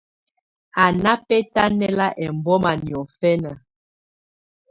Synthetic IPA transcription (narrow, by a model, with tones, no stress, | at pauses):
a˨na˦pɛ˦ta˦nɛ˦la˦ʔɛ˨m˨bɔ˦ma˨ni˨ɔ˨fɛ˦na˨